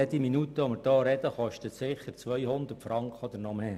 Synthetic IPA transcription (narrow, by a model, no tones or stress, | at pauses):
ɛd̥̪iminut̪əɔmɪɾd̥ɑːɾɛd̪əχɔʃtət̪sɪχət͡sʋœjhʊnd̪ərtfɾɑŋkχəɔd̪əɾnɔmeː